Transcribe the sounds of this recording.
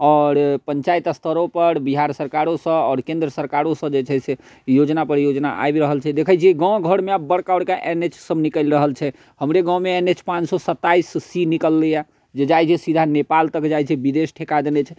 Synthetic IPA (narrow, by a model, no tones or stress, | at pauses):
ɔːɾpənt͡ʃajt̪st̪ʰəɾopəɾbiɦaɾsəɾkaɾosə̃ɔːɾkẽnd̪ɾəsəɾkaɾosə̃d͡ʒet͡ʃʰɛse | jod͡ʒnapəɾjod͡ʒna̰ʔa̰jbɾəɦəlt͡ʃʰɛd̪ekʰəjt͡ʃʰɛɡɔ̃ɡʱəɽmeabbːəɽkaoɽkaʔenet͡ʃsəbnikəlɾəɦəlt͡ʃʰɛ | həmɾeɡãmeenet͡ʃpãt͡ʃsɔsət̪ːaissinikəlːeja | d͡ʒed͡ʒajt͡ʃʰɛsid̪ʱanepalt̪əkd͡ʒajt͡ʃʰɛbid̪esʈʰekad̪enet͡ʃʰɛ